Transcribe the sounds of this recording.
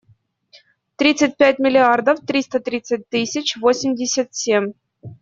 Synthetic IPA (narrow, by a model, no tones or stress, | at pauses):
t̪ɾʲit̪sɨt̚ʲpʲæt̚ʲmʲilʲiard̪əft̪ɾʲist̪ət̪ɾʲit̪sɨt̚ʲt̪ɨsʲɘt͡ɕvosʲɪmʲdʲɪsʲat̪sʲemʲ